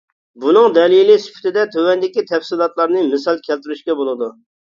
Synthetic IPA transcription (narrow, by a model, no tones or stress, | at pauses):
bunɨŋd̪ɛlˠijlisy̥pʰɪ̥t̪ʰɪd̪ɛt̪ʰøwɛnd̪ɪkʲit̪ʰɛfsɨlˠɑt̪lˠɑɾnɨmɪsɑlˠkʲʰɛlt̪yɾyʃkʲɛbolˠɨd̪u